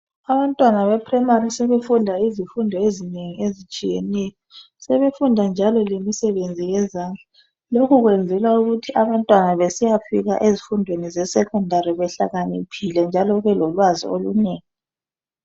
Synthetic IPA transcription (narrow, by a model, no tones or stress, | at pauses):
aβantʼwanaβɛpʰrɛmarisɛβefundʱaizifundʱɔezineŋiezit͡ʃʼijɛnɛjɔ | sɛβefundʱand͡ʒʱalɔlemisɛβend͡zʱijɛzaːnd͡ɮʱa | lokʰuɣwend͡zʱɛlauɣutʰiaβantʼwanaβesijafiɣa̰ʔezifundʱwenizɛsɛkʰɔndʱaɾiβɛɬa̰ɣanḭpʰilɛnd͡ʒʱalɔβɛlɔlwazḭoluneːŋi